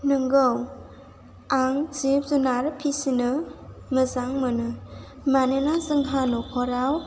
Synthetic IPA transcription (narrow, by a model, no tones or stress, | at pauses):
nɯŋɡɯw | aŋzip̚zunaɾpʰisinɯ | mɯzaŋmɯnɯ | manenazɯŋɦanɔkʰɔɾaw